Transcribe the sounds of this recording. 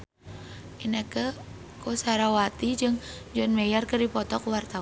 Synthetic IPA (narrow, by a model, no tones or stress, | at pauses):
ʔinəkə | kosaɾawat̪id͡ʒɨŋd͡ʒɔnmɛjarkəɾipɔt̪ɔkwart̪a